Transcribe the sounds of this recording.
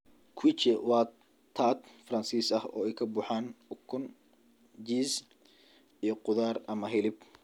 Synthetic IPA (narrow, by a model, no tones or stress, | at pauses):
kʰwit͡ʃɛwɑː | t̪ʰaːt̪fɾɐnsiːsɐhɔ̰ːɛjkʰɐbʊːħaːnʊkʰːʊn | d͡ʒiːs | ijɔqʊðaːrɐmɐɦɪlɪb̚